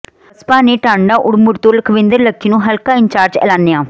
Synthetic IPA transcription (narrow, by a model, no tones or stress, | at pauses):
əspaːneːʈãːɳɖaːʔʊɽmʊʈt̪oːləkʰʋɪ̃nd̪əɾləkʰːiːnũːɦəlkaːɪɲt͡ʃaːɾd͡ʒɛ̰ːlaːnːeːaː